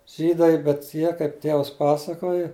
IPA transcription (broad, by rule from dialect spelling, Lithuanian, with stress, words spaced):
ˈʒʲiːdɐɪ bʲɛt ˈjiɛ kɐɪp ˈtʲeːʋɐs ˈpɑːsɐkoːjɪ